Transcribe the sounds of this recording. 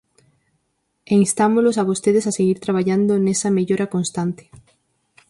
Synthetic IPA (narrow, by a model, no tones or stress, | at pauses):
eŋst̪amolosaβ̞ost̪eð̞esaseɣiɾt̪ɾaβ̞aʎand̪onesɐmeʎoɾakonst̪ant̪ɪ̥